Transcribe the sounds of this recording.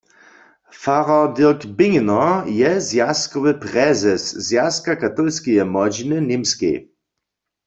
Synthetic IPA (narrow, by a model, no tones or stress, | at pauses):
faʁɔdiʁkbɪŋnɔjɛzjaskɔʋɪpʁɛzɛszjaskakat̪ɔlskɛjɛmɔd͡ʒinɪnɪmskḛj